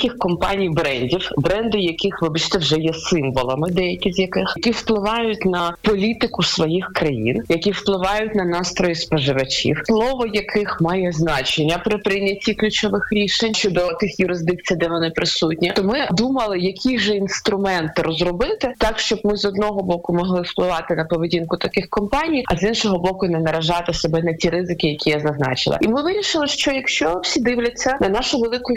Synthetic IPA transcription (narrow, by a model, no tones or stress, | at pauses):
kʲɪxkɔmpɑnʲijbɾɛnʲdʲiwbɾɛnd̪ɪjɐkɪxʋɪbɐt͡ʃt̪ɛwʒɛjɛsɪmʋɔlˠɐmɪd̪ɛjɐkʲizʲjɐkɪxkʲiwplˠɪʋɑjʊtʲnɐpɔlʲit̪ɪkʊsʋɔjixkɾɐjḭnjɐkʲiwplˠɪʋɑjʊtʲnɐnɑst̪ɾɔjispɐʒɪʋɐt͡ʃʲḭwslˠɔʋɔjɐkʰɪxmɑjɛznɑt͡ʃenʲːɐpɾɪpɾɪnʲɐtʲːiklʲʊt͡ʃɔʋɪxɾʲiʃenʲʃt͡ʃɔd̪ɔt̪ɪxjʊɾɪzd̪ɪk̚t͡sʲijd̪ɛʋɔnɪpɾɪsutʲnʲit̪ɔmɪd̪umɐlˠɪjɐkʲʰiʒɛinst̪ɾʊmɛnt̪ɪrɔzrɔbɪt̪ɪt̪ɑkʃt͡ʃɔbmɪzɔd̪nɔɦɔbɔkʊmɔɦlˠɪwplˠɪʋɑt̪ɪnɐpɔʋedʲinkʊt̪ɐkɪxkɔmpɑnʲijɐzinʃɔɦɔbɔkʊnɛnɐɾɐʒɑt̪ɪsɔbɛnɐtʲiɾɪzɪkɪjɐkʲijazɐznɑ̰t͡ʃɪ̰lˠɐ̰imɪʋɪɾʲiʃɪlˠɪʃt͡ʃɔjɐkʃt͡ʃɔwsʲid̪ɪʋlʲɐt͡sʲːɐnɐnɑʃʊʋelˠɪkʊj